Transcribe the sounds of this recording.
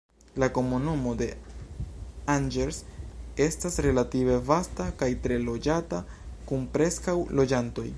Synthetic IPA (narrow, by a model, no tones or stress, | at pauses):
lako̞munumo̞de̞ | and͡ʒeɾse̞stasɾe̞lative̞vastakajtɾe̞lo̞d͡ʒata | kunpɾe̞skawlo̞d͡ʒanto̞j